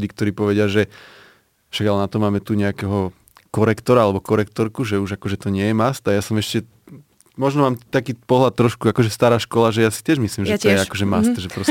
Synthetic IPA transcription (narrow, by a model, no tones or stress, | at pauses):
ɟiːkt̪ɔɾiːpɔʋɛɟɪaʒɛ | fʃaɡalɛnat̪ɔmaːmɛt̪uɲɛakɛɦɔ | kɔɾɛkt̪ɔɾaalɛbɔkɔɾɛk̚t̪ɔɾkuʒɛuʒakɔʒɛt̪ɔɲɪɛjɛmast̪ajasɔmɛʃcɛ | mɔʒnɔmaːmt̪akiːpɔɦlat̪̚ːɾɔʃkuakɔʒɛst̪aːɾaːʃkɔlaʒɛjaːsi̥t̪ɪɛʒmisliːmʒɛt̪ɔjɛakɔʒɛmast̪ʒɛpɾɔs